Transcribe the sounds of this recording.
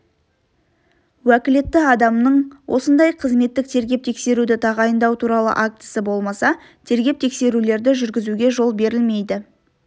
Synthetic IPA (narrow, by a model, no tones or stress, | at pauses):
wækʲɪle̞t̪ːɪɑd̪ɑmnəɴwʔo̞̰sənd̪ɑjqʰəzme̞t̪ːɪk̚t̪ʰe̞ɾɡʲe̞p̚t̪ʰe̞kse̞ɾud̪ɪt̪ʰɑʁɑjənd̪ɑwt̪ʰuɾɑlˠə̰ʔak̚t̪ə̥səbo̞lˠmɑsɑ | t̪ʰe̞ɾɡʲe̞p̚t̪ʰe̞kse̞ɾule̞ɾd̪ɪʒʏɾɡʲɪzuɡʲe̞ʒo̞lˠbe̞ɾɪlme̞jd̪ɪ